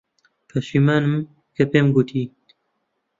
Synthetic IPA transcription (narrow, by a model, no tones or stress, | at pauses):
pʰɐʃiːmaːnɨm | kɐpeːmɡut̪ʰiː